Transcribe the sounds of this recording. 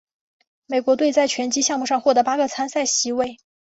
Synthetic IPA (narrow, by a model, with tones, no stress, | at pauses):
me˨˩ɪkwɔ˧˥t̪we˥˧ɪt͡sa˥˧ɪt͡ɕʰɥɛ˧˥nt͡ɕi˥ɕjɑ˥˧ŋmu˥˩ʂɑ˥˧ŋxwɔ˥˩d̪ɤ˧˥pa˥ɡə˥˧t͡sʰa˥nsa˥˩ɪɕi˧˥we˥˩ɪ